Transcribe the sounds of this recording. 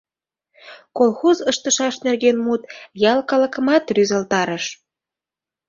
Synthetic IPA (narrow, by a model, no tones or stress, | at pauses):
kolxozəʃt̪əʃɑʃnerɣenmut̪jɑlkɑlə̆kə̆mɑt̪ryzəlt̪ɑɾəʃ